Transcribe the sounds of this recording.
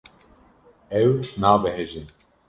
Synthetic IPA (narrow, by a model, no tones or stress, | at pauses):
ɛwnaːbɛɦeʒin